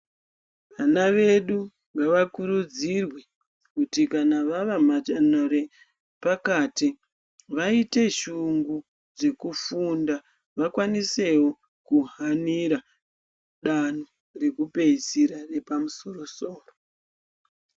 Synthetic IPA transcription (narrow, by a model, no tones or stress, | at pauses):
ʋanaʋe̞ɗu | ŋɡaʋakuɾud͡zirwe | kutikanaʋaʋamat͡ʃanoɾe | pakaːti | ʋaite̞ʃuŋɡu | ʐe̞kufunda | ʋakwanise̞wo̞ | kuɦaniɾa | ɗano | re̞kupe̞isiɾare̞pamuso̞ro̞so̞ːro